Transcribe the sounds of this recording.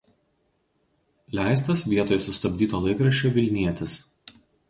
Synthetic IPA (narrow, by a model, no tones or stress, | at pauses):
lʲæˑɪs̬t̪ɐsʋʲiɛt̪oːjsʊst̪ɐbʲd̪ʲiːt̪oːlˠɐɪkɾɐʃʲt͡ʃʲoːʋʲɪlʲnʲiɛt̪ʲɪs